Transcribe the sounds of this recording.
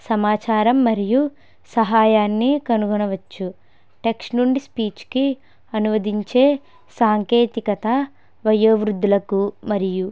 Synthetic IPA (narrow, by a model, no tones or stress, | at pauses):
sɐmaːt͡ʃaːɾɐmːɐɾiju | sɐɦaːjaːnːikɐnuɡɐnɐʋɐt͡ʃːu | ʈe̞ksʈnuɳɖispiːt͡ʃki | ɐnuʋɐd̪iɲt͡ʃe̞ː | saːŋke̞ːt̪ikɐt̪ɐ | ʋɐjɐʋɾud̪ʱːulɐkumɐɾiju